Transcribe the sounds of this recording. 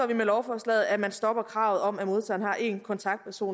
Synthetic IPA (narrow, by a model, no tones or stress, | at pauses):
ɒʋimelɒʊfɒslɛ̰ːð̩ˠæmænsd̥ɒ̽b̥ɐkʰʁɑ̈ʊð̞̩ˠɒ̽m̰æmo̝ð̞ˠt͡sʰɛ̰ːn̩hɑ̈ʔe̝nkʰɒ̽nt͡sʰɑ̈ɡ̥̚d̥̚pʰæɐso̝̰ːn